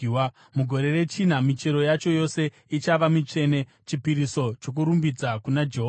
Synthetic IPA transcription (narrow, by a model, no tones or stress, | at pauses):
muɡʱo̞ɾe̞re̞t͡ʃinamit͡ʃe̞ɾo̞jat͡ʃo̞jo̞se̞ | it͡ʃaʋamit͡ʂe̞ne̞ | t͡ʃipiɾiso̞t͡ʃok̬uɾumbid͡zakunad͡ʒeɦo